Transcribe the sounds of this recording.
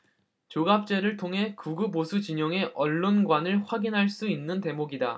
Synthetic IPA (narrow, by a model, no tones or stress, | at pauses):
t͡ɕoɡap̚t͡ɕ͈e̞ɾɯɭtʰoŋɦe̞kuɡubosʰut͡ɕiɲʌŋe̞ʔʌɭːonɡwanɯɭɸwaɡinɦaɭs͈uinːɯnte̞moɡida